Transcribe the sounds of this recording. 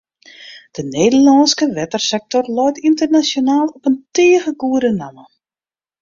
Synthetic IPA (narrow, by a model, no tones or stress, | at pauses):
d̥əneːdəlɔnskəʋɛtərsɛk̚tɔrlɔjtintərnasjonaːlˠɔpənteːəɣəɡuəɾənamə